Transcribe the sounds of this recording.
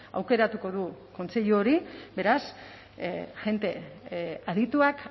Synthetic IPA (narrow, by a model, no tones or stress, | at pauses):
a̰wke̞ɾat̪uko̞ð̞uko̞nt͡se̞ʎuoɾibe̞ɾas | ʝe̞nt̪e̞ | aðit̪uak